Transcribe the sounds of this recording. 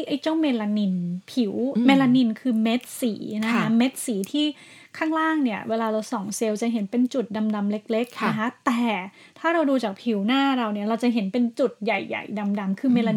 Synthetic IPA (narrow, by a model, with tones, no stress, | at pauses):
jʔa˧˥˩jt͡ɕa˥˩wme˧laː˧ni˧npʰi˩˦wme˧la˧ni˧nkʰɯː˧me˦˥t̪̚siː˩˦na˦˥kʰa˦˥me˦˥t̪̚siː˩˦t̪ʰiː˥˩ | kʰaː˥˩ŋɾaː˥˩ŋni˥˩ɐweː˧laː˧ɾa˧wsɔː˨˩˦ŋse˧wt͡ɕa˨˩ɦe˨˩˦npe˧nt͡ɕu˨˩t̪̚da˧mda˧mle˦˥k̚le˦˥k̚na˦˥kʰa˦˥t̪ɛː˨˩ | t̪ʰaː˥˩ɾa˧wduː˧t͡ɕaː˨˩k̚pʰi˩˦wnaː˥˩ɾa˧wni˥˩ɐɾa˧wt͡ɕa˨˩ʔɦe˩˦npe˧nt͡ɕu˨˩t̪̚ja˨˩jːa̰˨˩jda˧mda˧mkʰɯː˧me˧la˧